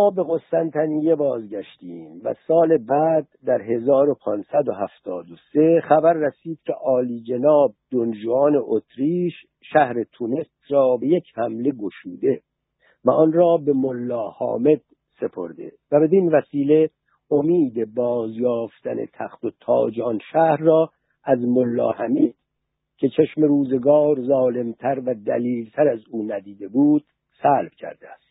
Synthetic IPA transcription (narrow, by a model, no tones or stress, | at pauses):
mɒːbe̞ɣo̞sːænt̪ʰænije̞bɒːzɟæʃt̪iːmvæ̰sɒːle̞bæd̪̚ːæɾɦe̞zɒːɾo̞pʰɒːnsæd̪o̞ɦæft̪ʰɒːd̪ose̞χæbæɾːæsiːd̪̥cʲʰe̞̰ʔɒːliːd͡ʒe̞nɒːb̚d̪ond͡ʒoɒːne̞ʔot̪ʰɾiːʃ | ʃæhɾe̞t̪ʰune̞st̪ɾɒːbe̞je̞cʰhæmle̞ɡo̞ʃuːd̪e̞ | væɒnrɒːbe̞molːɒːhɒ̰ːme̞d̪̥̚ | se̞pʰo̞̰ɾd̪e̞̰væbe̞d̪invæsiːle̞ | omiːd̪e̞bɒːzjɒːft̪ænḛt̪ʰæxt̪o̞t̪ʰɒ̰ːd͡ʒɒːnʃæhɾːɒː | æzmolːɒ̰ːhæmiːd̪̥ | cʰe̞t͡ʃʰeʃme̞ɾuːze̞ɡɒːɾzɒːle̞mt̪ʰæɾvæd̪æ̰liːlt̪ʰæɾæzuːnæd̪iːd̪e̞buːd̪̥ | sælb̥cʰæ̰ɾd̪eæst̪